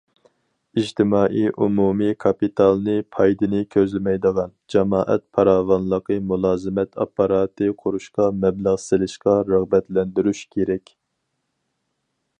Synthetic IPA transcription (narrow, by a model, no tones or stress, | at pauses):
id͡ʒt̪ɪmɑːʔiʔumumikʰɑpit̪ʰɑlˠnɨpʰɑjd̪ɨnɪkʲʰøzlɪmɛjd̪əʁɑnd͡ʒɑmɑːʔɛ̰t̪̚pʰɑɾɑːvɑnlˠəqəmulˠɑːzɨmɛt̪ʰɑ̰pːɑɾɑːt̪ʰɨqʰʊɾuʃqɑmɛbləʁsɪlɪʃqɑɾɑʁbɛt̪lɛnd̪yɾyʃkʲʰeɾɛkʲ